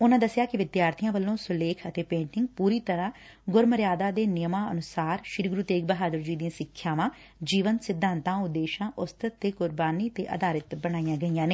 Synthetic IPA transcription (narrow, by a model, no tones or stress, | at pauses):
ʊnãːd̪əsjaːkɪʋɪd̪jaːɾt̪ʰijãːʋəlːõːsʊleːkʰət̪eːpẽːɳʈɪŋɡpuːɾiːt̪əɾãː | ɡʊɾməɾjaːd̪aːd̪eːnɪjəmãːə̰nʊsaːɾʃɪɾɡɾut̪eːk̚bəɦaːd̪əɾd͡ʒiːd̪ĩãːsɪkʰːjaːʋãː | d͡ʒiːʋənsɪd̪ʱːãːnt̪ãːʊd̪ːeːʃãːʔʊst̪ət̪ːeːkʊɾbaːniːt̪eːʔə̰d̪aːɾɪt̪bəɽ̃aːijãːɡəijãːneː